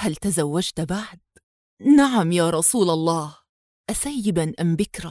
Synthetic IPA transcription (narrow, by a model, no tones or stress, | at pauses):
halt̪azawːad͡ʒt̪baʕd̪̚ | naʕamjaːɾˤɑsuːlɑlˤːɑːh | ʔasajːɪbanʔambɪkɾˤɑ